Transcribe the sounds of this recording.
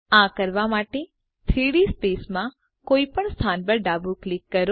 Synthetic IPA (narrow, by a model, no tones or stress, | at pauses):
ãkəɾʋamaʈe | t̪ʰɾiɽispesmã | koipəɳst̪ʰanpəɾɖabuklikːəɾo